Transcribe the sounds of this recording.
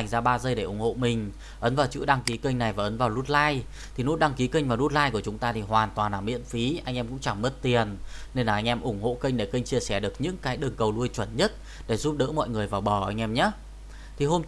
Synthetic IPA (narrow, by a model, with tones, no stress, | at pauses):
jŋ̟zaː˧ɓaː˧zəː˧jɗe˧˩ʔʊ˧˩ŋ͡mho̰˧˨mï˨˩ŋ̟ | ʔə˨˦nvaː˨˩wt͡ɕɨ̰˧˥ɗa˧ŋki˨˦kə˧jŋ̟na˨˩jvaː˨˩ʔə˨˦nvaː˨˩wlu˦˥t̚laː˧j | t̪ʰi˨˩nṵ˨˦˥ɗa˧ŋki˨˦kə˧ŋ̟vaː˨˩wlu˦˥t̚laː˧jku˧˩ət͡ɕʊ˨˦ŋ͡mt̪aː˧t̪ʰi˨˩hwaː˨˩nt̪waː˨˩nlaː˨˩mḭ˧˥ənfi˨˦ʔa˧jŋ̟ʔɛː˧mkʊ̰˧˥ŋ͡mt͡ɕa˧˩mmə˦˥t̚t̪i˨˩ənne˧nlaː˨˩ʔa˧jŋʔɛ˧mʔʊ˧˩ŋ͡mho̰˧˨kə̈˧jŋ̟ɗe˧˩kə˧ŋ̟t͡ɕi˧əsɛ˧˩ɗɨ˨˩ək̚ɲɨ̰˧˥ŋkaː˨˦jɗɨ˨˩əŋkə˨˩wlu˧əjt͡ɕwə˧˩nɲə˦˥t̚ | ɗe˧˩zu˦˥p̚ɗə̰ː˧˥mɔ̰˧˨jŋɨ˨˩əjvaː˨˩wɓɔ˧˩ʔa˧jŋ̟ʔɛ˧mɲa˨˦˥ | t̪ʰi˨˩ɦo˧m